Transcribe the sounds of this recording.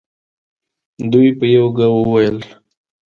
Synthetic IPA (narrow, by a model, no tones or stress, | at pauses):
d̪ujpəjawɡawəwajəl